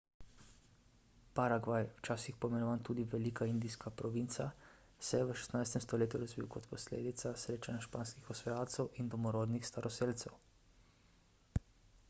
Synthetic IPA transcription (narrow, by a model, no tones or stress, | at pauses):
paɾaɡʋajwt͡ʃaːsixpɔmɛɾɔʋant̪uːd̪iʋɛliːkaind̪ijskapɾɔʋint̪sa | sɛjɛʋəʃɛ̥st̪najst̪ɛmst̪ɔleːt̪juɾazʋḭwkɔt̪pɔslḛːd̪it̪sasɾeːt͡ʃanaʃpaːnskixɔsʋɔjaːlt̪sɛwʔind̪ɔmɔɾoːd̪nixst̪aɾɔseːlt̪sɛw